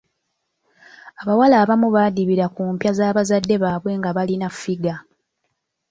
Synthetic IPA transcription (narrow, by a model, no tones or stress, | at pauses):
aβawalaːβamuβaːdiβiɾakuːmpjazaːβazadːe̞βaːβwe̞ːŋɡaβalinafiɡa